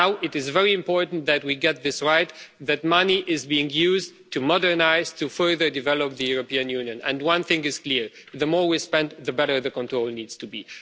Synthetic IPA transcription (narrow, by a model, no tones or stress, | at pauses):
naʊʔɪɾɨzvɛɹiɨ̃mpɔɹtn̩ðɨt̚wiɡɛt̪̚ðɪsɹaɪt̪ðɨt̚mʌniʔɪzbiɪ̃ŋjuz | tʰumɔdə˞naɪztʰufɜ˞ðə˞dɨvɛlɔp̚ðɨjuɹɔpiɨ̃njʉnjɨ̃nɛ̰̃nwʌ̃nθɪ̃ŋɨz̥kliɹ | ðəmɔɹwispɛ̃nd̪ðəbɛɾə˞ðɨkɔ̃ntɹ̥oʊlˠniːdz̥tʰubi